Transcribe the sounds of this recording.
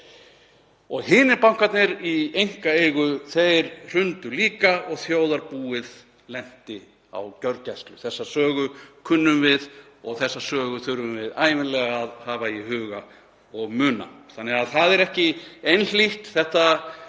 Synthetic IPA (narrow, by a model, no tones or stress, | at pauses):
ɔɣɦɪːnɪɾpawŋ̥kat̪nɪɾiejŋ̥kaejɣʏθejɾr̥ʏnt̪ʏliːkaɔɣθjoːwðaɾpuːɪð | lɛn̥t̪ɪ | a̰wcœɾcast̪lʏθɛsːasœːɣʏkʰʏnːʏmvɪð | ɔɣθɛsːasœːɣʏθʏɾvʏmvɪðaːjvɪnlɛɣaaðhaːvaihʏːɣa | ɔɣmʏːna̰θanːɛɣaðθaðɛɾɛhcɪejnl̥iht̪θɛht̪a